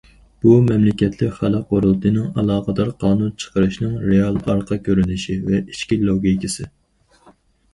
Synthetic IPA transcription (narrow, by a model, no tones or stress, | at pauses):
b̥umɛmlɪkʲɛt̪ʰlɪkʲχælæqoɾulˠt̪ʰɨnɨŋɑlˠɑːqəd̪ɑɾqʰɑːnunt͡ʃʰə̥qəɾɨʃnɨŋɾeɑlˠɑɾqʰɑkʲʰøɾynɪʃivɛʔit͡ʃkʲilˠoɡʲikʲisɨ